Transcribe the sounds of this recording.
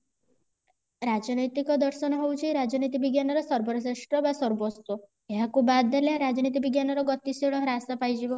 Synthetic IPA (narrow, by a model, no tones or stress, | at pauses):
ɾad͡ʒɔnɔjt̪ikɔd̪ɔɾʃɔnɔɦewt͡ʃʰiɾad͡ʒɔnit̪ibiɡjanɔɾɔsɔɾbɔɾseʂʈɾɔbasɔɾbɔst̪ɔ | eɦakubad̪ːaljaɾad͡ʒɔnit̪̬ibiɡjanɔɾɔɡɔt̪iseɭ̃ɔɾasapajd͡ʒibɔ